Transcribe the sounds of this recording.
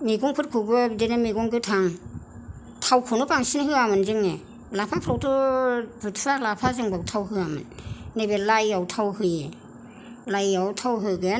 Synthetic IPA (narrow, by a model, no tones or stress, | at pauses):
miɡɔŋpʰɯt̚kʰɯbɯbdenɯmiɡɔŋɡɯtʰaŋ | tʰawkʰunɯbaŋsinhɯamɯnzɯŋne | lapʰapʰɾɔwtɯbɯtʰɾalapʰazɯŋbaktʰawɦɯamɯ̰nnebelajawtʰawhɯj | lajawtʰawɦɯɡɯn